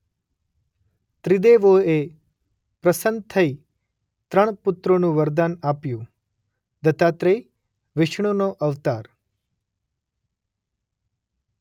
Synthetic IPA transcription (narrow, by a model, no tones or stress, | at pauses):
t̪ɾid̪eʋoe | pɾəsənd̪̚t̪ʰəi | t̪ɾəɳ̃pʊt̪ɾonũʋəɾd̪anapjũ | d̪ət̪at̪ɾei | ʋɪʃɳ̃unoʔəʋt̪aɾ